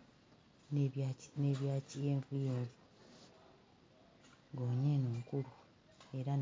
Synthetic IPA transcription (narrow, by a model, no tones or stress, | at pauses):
nneβjaːcijeːɱvujeːɾo | ɡoːɲenoːŋkulu | e̞ɾan